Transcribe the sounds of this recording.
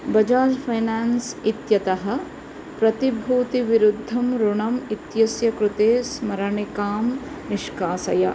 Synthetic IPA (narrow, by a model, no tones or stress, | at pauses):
bɐd͡ʒaːd͡ʒpʰɐjnaːnsit̪jɐt̪ɐɦɐ̆ | pɾɐt̪ibʱuːt̪iʋiɾud̪ʱːɐmɾuɳɐmit̪jɐsjɐkɾut̪eːsmɐɾɐɳikaːm | niʃkaːsɐ̰jɐ̰